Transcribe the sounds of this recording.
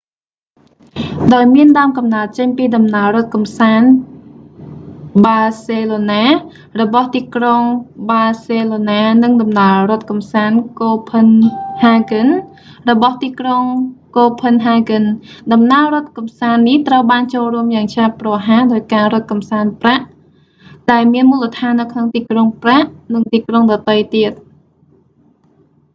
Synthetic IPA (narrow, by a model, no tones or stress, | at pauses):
ɗaɔjmiənɗaəmkɑmnaət̪̚t͡ɕəɲpiːɗɑmnaəlɾŏət̪̚kɑmsaːn | ɓaːseːloːnaː | rɔɓɑht̪iːkroŋɓaːseːloːnaːnɨŋɗɑmnaərŏət̪̚kɑmsaːnkoːpʰənhaːɡɨn | rɔɓɑht̪iːkroŋkoːpʰənɦaːɡɨnɗɑmnaərŏət̪̚kɑmsaːnːiht̪rəwɓaːnt͡ɕoːlruəmjaːŋt͡ɕʰaːpːrɑɦaːɗaɔjkaːɾŏət̪̚kɑmsaːnpraʔ | ɗaɛlmiənmuːlət̪ʰaːnːɨwkʰnoŋt̪iːkroŋpraʔnɨŋt̪iːkroŋɗɑt̪ɨjt̪iət̪̚